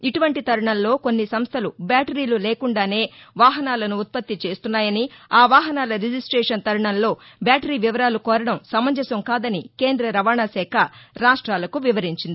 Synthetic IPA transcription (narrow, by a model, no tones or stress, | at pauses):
iʈuʋɐɳʈit̪ɐɾɐɳɐnlo̞ːkonːisɐmst̪ʰɐlubjaːʈɐɾiːluleːkuɳɖaːne̞ːʋaːɦɐnaːlɐnuːt̪̚pɐt̪ːit͡ʃe̞ːst̪unːaːjɐniaːʋaːɦɐnaːlɐɾid͡ʒisʈɾɛːʂɐnt̪ɐɾɐɳɐnlo̞ː | bʲjaːʈɐɾiːʋiʋɐɾaːlukɔːɾɐɽɐmsɐmɐɲd͡ʒɐsɐmkaːd̪ɐnike̞ːnd̪ɾɐɾɐʋaːɳasɛːkʰɐɾaːʂʈɾaːlɐkuʋiʋɐɾiɲt͡ʃind̪i